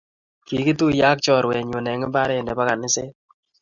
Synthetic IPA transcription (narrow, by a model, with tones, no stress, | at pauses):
ki˨ki˦tu˦ja˦k̚t͡ʃɔ˦˨ɾwɛ˨ɲo˨nɛ˨ŋɪ˦ba˦ɾe˦˨ndɛ˨ba˦ka˨nɪ˦sɪ˦